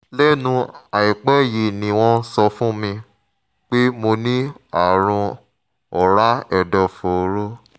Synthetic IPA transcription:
lɛ˦nũ˧a˨i˨k͡pɛ˦˨je˨nĩ˨w̃ɔ̃˧sɔ˧fũ˦mĩ˧ | k͡pe˦mo˧nĩ˦a˦˨ɾ̃ũ˧ | ɔ˨ɾa˦ɛ˨dɔ˨fo˨˦ɾo˦

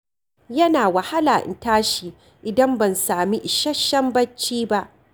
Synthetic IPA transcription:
jɐ˦naː˨wɐ˨ha˦laː˨ʔɪ̰˨ntaː˦ʃiː˨ | ʔɪ˨dɐ˦mbɐ˨nsaː˨mi˦ʔɪ˨ʃɐ˦ʃɐ˦mbɐ˦t͡ʃːiː˦ba˦ʔ

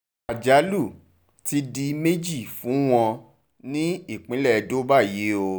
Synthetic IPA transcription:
a˨d͡ʒa˨˦lu˦˨ | ti˧di˧me˦d͡ʒi˦˨fũ˨˦w̃ɔ̃˧ | nĩ˦i˦˨k͡pĩ˨˦lɛ˦˨˧do˦ba˦˨je˨˦o˧

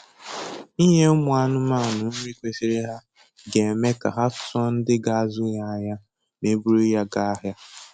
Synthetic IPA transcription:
i˦ɦe˦ʊ˦mʊ˨a˦nʊ˦ma˦˨nʊ˨n̩˦me˦kʷe˦si˦ɾe˦ɦa˦ | ɡe˨e˨me˦ka̰˨ɦa˦fʊ̥˨˦sɔ˦n̩˦dɪ˦ɡa˨a˦zʊ˦ja˨a˨ja˦ | me˨bu˦ɾe˦ja˦ɡa˦a˦ɦja˦

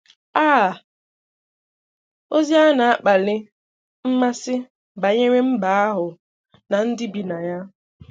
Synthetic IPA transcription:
aː˦˨ | o˦zi˦a˦na˨a˦k͡pa˨lɪ˦ | m̩˦ma˦sɪ˦ | ba˨ɲe˦ɾe˦m̩˦ba˦a˦ɦʊ˨ | na˨n̩˦dɪ˦bi˨na˨ja˦

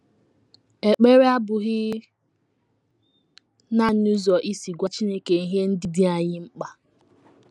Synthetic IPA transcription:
e˨k͡pe˦ɾe˦a˦bʊ˨ɣɪ˦ | na˦n˦u˦zɔ˨ʔi˦si˨ɡʷa˦t͡ʃi˦ne˦ke˨i˦ɦe˦n̩˦dɪ˦dɪ˦a˨ɲɪ˦ŋ͡m̩˦k͡pa˨

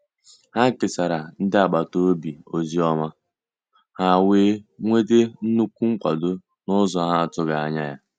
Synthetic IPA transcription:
ha˦kɪ˨sa˨ɾa˨n̩˦dɪ˦a˨ɡ͡ba˨to˦o˦bi˨o˨zi˦ɔ˦ma˦ | ha˦˨weː˦ŋʷe˦de˦n̩˦nu˦kʷu˦ŋ͡m̩˦kʷa˨do˦ | nʊ˦zɔ˨˦ɦa˦a˨tʊ˦ɡa˨a̰˨ɲa˦ja̰˦

